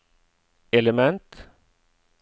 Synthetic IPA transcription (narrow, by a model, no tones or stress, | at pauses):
ɛləmɛnt̪